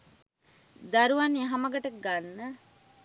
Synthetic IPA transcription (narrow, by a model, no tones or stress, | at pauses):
d̪ɐɾuʋɐneɦɐmɐɡɐʈəɡanːə